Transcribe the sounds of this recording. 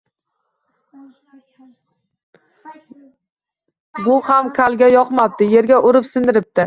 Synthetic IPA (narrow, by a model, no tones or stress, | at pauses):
bʊhamkʲʰalɡʲajɒqmap̚d̪ɪje̞ɾɡʲaʔʊɾɪpsɪnd̪ɪɾɪp̚t̪ɪ